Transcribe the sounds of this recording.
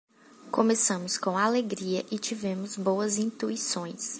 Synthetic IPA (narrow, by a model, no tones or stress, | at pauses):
kõmesɐ̃mʊskõaleɡɾiɐʔɪt͡ʃivẽmʊzbowɐzĩnt̪uisõj̃s